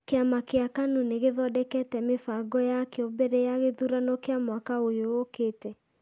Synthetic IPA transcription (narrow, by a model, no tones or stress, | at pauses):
keamakeakanuneɣeðɔdɛkɛtɛmefaɡɔjakeɔbɛɾɛjaɣeðuɾanɔkeamwakaojookeːtɛ